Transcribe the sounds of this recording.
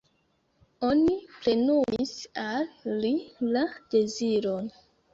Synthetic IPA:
o̞nipɾe̞numisalːilad̥e̞ziɾon

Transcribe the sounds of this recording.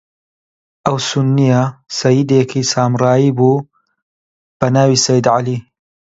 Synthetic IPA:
ʔɐwsʊnːijɐsɐjid̪ekʰisaːmrɑːiːbuː | b̥ɐnaːwiːsɐjd̪ʕaliː

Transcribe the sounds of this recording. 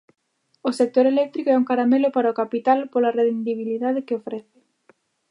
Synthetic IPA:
osek̚t̪oɾelɛk̚t̪ɾikoɛuŋkaɾamelopaɾaokapit̪alpolareðend̪iβ̞iliðað̞ekeofɾeθe̥

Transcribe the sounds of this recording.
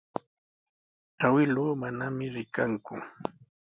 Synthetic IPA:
awɪluːmanamɪɾɪkaŋkʊ

